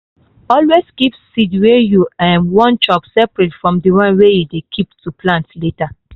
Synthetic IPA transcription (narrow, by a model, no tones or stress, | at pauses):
ɔlweskipsidwejuãnwɔ̃nt͡ʃɔpsɛpɹetfɹɔ̃mdiɹɔ̃nwejudekʰiptuplãntleta